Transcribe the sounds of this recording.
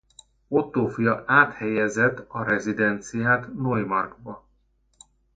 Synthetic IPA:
ot̪ːoːfijɒʔaːt̪hɛjɛzɛt̪ːɒɾɛzid̪ɛnt̪sijaːt̪nojmɒrɡbɒ

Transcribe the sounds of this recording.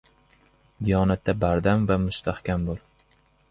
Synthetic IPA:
d̪ijɒːnat̪ːabaɾd̪amvamʊst̪ʰahkʲʰambolˠ

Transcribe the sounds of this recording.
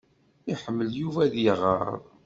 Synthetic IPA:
iħəmːəljuvæðjəʁə̰ɾ̰ˤðˤ

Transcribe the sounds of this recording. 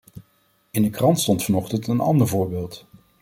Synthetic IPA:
ɪndəkrɑntstɔntfɑnɔχtəntənɑ̰ndəɹvʊːɹbɪːlˠt

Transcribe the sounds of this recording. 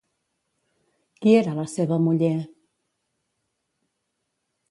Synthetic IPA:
kieɾalaseβamuʎe

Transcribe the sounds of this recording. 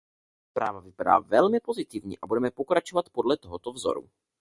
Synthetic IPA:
spɾa̰ːvavɪpada̰ːvɛlmɪpo̞zɪt̪ɪvɲḭːʔabudɛmɛpo̞kɾat͡ʃovat̪po̞dlɛt̪oɦot̪ovzo̰ɾṵ

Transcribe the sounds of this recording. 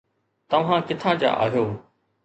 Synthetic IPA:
t̪ɐʋ̤ãkɪt̪ʰãːd͡ʑa̰ːʔa̰ːɦijoː

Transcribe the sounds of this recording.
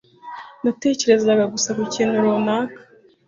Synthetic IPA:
nate̞ːce̞ɾe̞zaɡaɡusakucenuɾonaːkḁ

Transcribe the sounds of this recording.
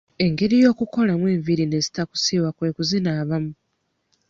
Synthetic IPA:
e̞ŋɡe̞ɾijo̞ːkuko̞lamwe̞ːɱviɾine̞zi̥taku̥siːwakwe̞ːkuzinaːβamu

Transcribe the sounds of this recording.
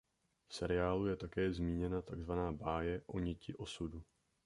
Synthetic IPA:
fsɛɾɪjaːlujɛt̪akɛːzmiːɲɛnat̪aɡzvanaːbaːjɛʔo̞ɲɪcɪʔo̞sudu

